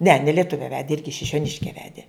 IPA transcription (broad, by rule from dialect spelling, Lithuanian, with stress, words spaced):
nʲɛ nʲɛ lʲiɛˈtʊʋʲɛ ˈʋʲæːdʲɪ ˈɪrʲɡʲɪ ʃʲɪʃʲoːˈnʲɪʃʲkʲɛ ˈʋʲæːdʲeː